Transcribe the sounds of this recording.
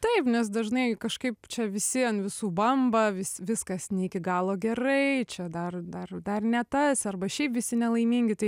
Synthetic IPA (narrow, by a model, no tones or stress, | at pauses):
t̪ɐɪpnʲɛs̬d̪ɐʒnɐɪkɐʃkɐɪpt͡ʃʲɛʋʲɪsʲɪɐnʋʲɪsuːbɐmbɐʋʲɪssʋʲɪskɐsnʲɛikʲɪɡɑːlˠoːɡʲɛrɐɪt͡ʃʲɛd̪ɐrd̪ɐrd̪ɐrnʲɛt̪ɐsɐrbɐʃʲɛɪpʋʲɪsʲɪnʲɛlˠɐɪmʲiːŋʲɡʲɪt̪ɐɪ